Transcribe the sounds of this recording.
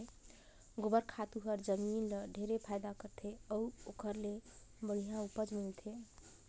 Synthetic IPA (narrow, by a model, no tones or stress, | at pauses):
ɡobəɾkʰat̪uɦəɾd͡ʒəminləɖʱeɾepʰajd̪akəɾt̪ʰeəuokʰəɾle | bəɽ̤ijãupəd͡ʒmilt̪ʰe